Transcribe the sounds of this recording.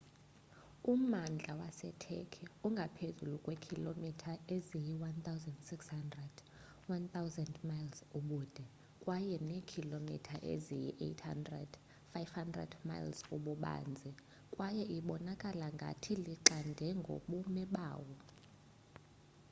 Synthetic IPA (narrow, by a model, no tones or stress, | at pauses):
umand͡ɮʱawasɛtʰɛ̰kʰɛuŋɡʱapʰezulukʼwɛkʰilomitʰaezijiwant̪awzɛndsikshandrɛd̥ | want̪awzɛndmajlsuɓuːd̥ʱɛ | kʼwajɛnekʰilomḭtʰaʔḛzijḭʔḛtʰha̰ndrɛ̰d̥ | fajvhandrɛ̰dma̰jlsuɓuɓa̰ːnd͡zʱi | kʼwajɛʔiɓɔnakʼalaŋɡʱa̰tʰiliǃandʱɛŋɡʱo̰ɓumɛɓa̰ːwɔ